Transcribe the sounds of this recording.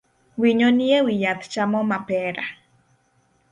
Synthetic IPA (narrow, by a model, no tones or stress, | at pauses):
wiɲoniewijat̪t͡ʃamomapeɾa